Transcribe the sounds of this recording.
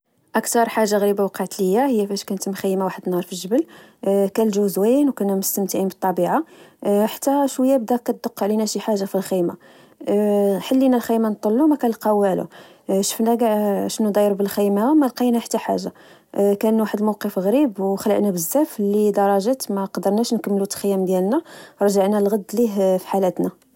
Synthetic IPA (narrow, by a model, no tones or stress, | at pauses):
ʔækt̪ɑɾˤħaʒːaɣɾibawqɑʕt̪ləəjːæhəjːæfæʃkænət̪mxijːmawaħəd̪ənhɑɾˤfilʒəbəlkælʒuzwinwkænæmʊst̪əmt̪əʕimbət̪ˤːɑbiʕaħḁt̪ːæʃwəjːæb̚d̪ækːæt̪̚d̪oqːʕlinæʃiħaʒːafilxijma | ħəlːinælxijmant̪ˤːəlːumækænlqɑwælṵ | ʃə̥fnæɡaʕʃnud̪ˤɑjɾubəlxijmæmælqinæħə̥t̪ːæħa̰ʒːa | kænwaħəd̪mowqəfɣɾibwxələ̰ʔnæbəzːæflid̪ɑɾˤɑʒæt̪mæqɑd̪əɾˤnæʃnkəmːlut̪xəjːæmd̪jælnæɾˤʒəʕnælɣɑd̪ːliɦfi̥ħalæt̪næ